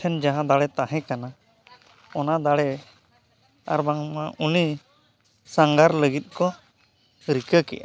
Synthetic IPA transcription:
ɛnd͡ʒaɦãd̪aɽɛt̪aɦɛ̃kana | ɔnad̪aɽɛ | a̰ɾbaŋmaʔuni | saŋɡaɾləɡit̪̚kɔ | ɾikəkɛ̰ʔa

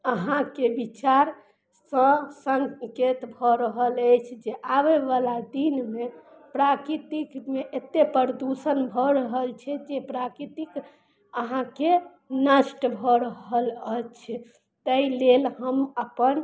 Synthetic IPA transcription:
əɦãkebit͡ʃaɾ | sə̃səŋket̪bʱɔɾəɦələjt͡ʃʰd͡ʒeʔaʋeʋalad̪inme | pɾakɾit̪ikmeʔet̪ːepəɾd̪usənbʱɔɾəɦəlt͡ʃʰɛd͡ʒepɾakɾit̪ik | əɦãke | nəʃʈbʱɔɾəɦələt͡ʃʰɛ | t̪əilelɦəməpən

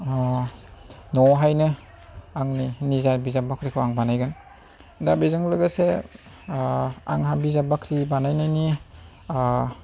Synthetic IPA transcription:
ɔ | nɔɦajnɯ | aŋninizaɾbizabakʰɾikʰɯwaŋbanajɡɯn | dabizaŋlɯɡase | a̰ŋɦabizabakʰɾibanajnajni

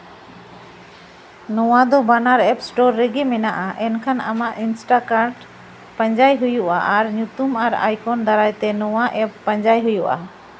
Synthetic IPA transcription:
nɔwad̪ɔbanaɾɛpsʈɔɾːɛɡɛmɛnaʔaʔɛnkʰana̰maʔinsʈakaɾɖ | paɲd͡ʒajɦujuʔaʔaɾɲut̪umaɾa̰jkʰɔnd̪aɾajt̪ɛnɔwaʔɛpːaɲd͡ʒajɦujuʔa̰

